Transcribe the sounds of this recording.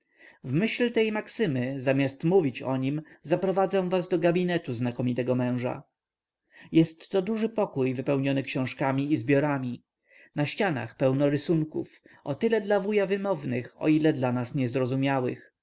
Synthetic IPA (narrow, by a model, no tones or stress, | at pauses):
vmɘɕlt̪ɛjmaksɘmɘzamʲast̪muvʲit͡ɕɔ̰ɲimzapɾɔvad̪zɛ̃w̃vazd̪ɔɡabʲinɛt̪uznakɔmʲit̪ɛɡɔmɛ̃w̃ʐa̰ | jɛst̪ːɔd̪uʐɘpɔkujvɘpɛwɲɔnɘkɕɔ̃w̃ʂkamʲiizbʲjɔɾamʲi | naɕt͡ɕana̰xpɛwnɔɾɘsuŋkṵfɔt̪ɘlɛd̪lavujavɘmɔvnɘxɔ̰ilɛd̪lanasɲɛzɾɔzumʲjawɘ̰x